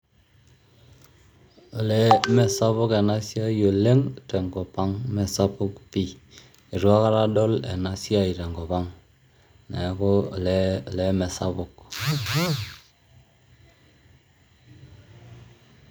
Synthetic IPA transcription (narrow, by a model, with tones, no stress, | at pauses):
o˨le˦me˨sa˦βu˦ke˨na˦si˦a˦jo˨le˦ŋte˨ŋɡo˨pa˦ŋme˨sa˦pu˦kpi˦˨ | i˨ɾu˦a˦ka˦ɾa˦ɗo˦lḛ˨na˨si˦a˦i˨ɾe˨ŋɡo˨pa˦ŋ | ne˨˦ko˦˨le˦˨le˦me˨sa˦βu˨k̚